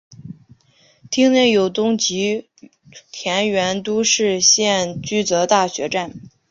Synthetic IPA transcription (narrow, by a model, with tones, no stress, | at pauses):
t̪ʰi˥ŋnjɛ˥˩jo˨˩ʊt̪ʊ˥ŋt͡ɕi˧˥ | t̪ʰjɛ˧˥nɥɛ˧˥nt̪u˥ʂɻ̩˥˧ɕjɛ˥˩nt͡ɕy˥t͡sɤ˧˥t̪a˥˩ɕɥɛ˧˥ʈ͡ʂa˥˩n